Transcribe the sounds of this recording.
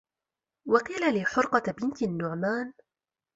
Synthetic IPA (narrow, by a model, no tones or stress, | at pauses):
wɑqiːlaliːħʊɾˤqɑbɪnt̪nːʊʕmaːn